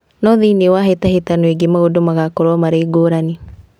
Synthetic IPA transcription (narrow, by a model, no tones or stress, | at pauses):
nɔðinewaɦetaɦetanweɡemaodomaɣakoɾɔmaɾeːɡoɾane